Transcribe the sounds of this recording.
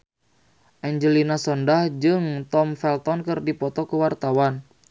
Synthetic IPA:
ʔɛɲd͡ʒəlinasɔndahd͡ʒɨŋt̪ɔmfɛlt̪ɔnkɨrdipɔt̪ɔkəwart̪awan

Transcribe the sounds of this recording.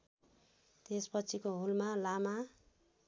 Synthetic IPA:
t̪espʌt͡sʰikoɦulmalama

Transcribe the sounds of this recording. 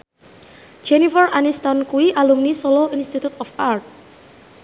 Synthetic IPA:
d͡ʒenifərʔanist̪ɔnkuiʔalumnisoloinst̪it̪ut̪ɔfart̪̚

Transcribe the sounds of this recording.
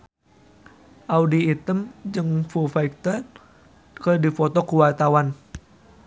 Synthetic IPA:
ʔawdiit̪əmd͡ʒɨŋfufajk̚t̪ər | kədifɔt̪okuwat̪awan

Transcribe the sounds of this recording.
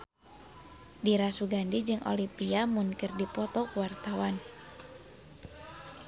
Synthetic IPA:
diɾasuɡandid͡ʒɨŋʔo̰lipiamunkɨrdipɔt̪ɔkuwart̪awan

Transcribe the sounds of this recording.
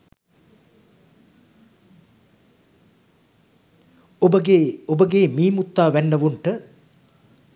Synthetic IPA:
obəɡeobəɡeːmiːmut̪ːaːʋænːəʋuɳʈə

